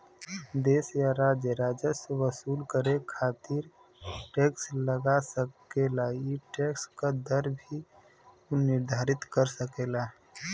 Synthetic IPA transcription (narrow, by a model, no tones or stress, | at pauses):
d̪eːsjaɾaːd͡ʒjəɾaːd͡ʒəseʋəsuːlkəɾekʰaːt̪ɪɾ | ʈeːksləɡasəkelaiʈeːkskad̪əɾbʱi | nɪɾd̪ʱaːɾɪt̪kəɾsəkeːlaː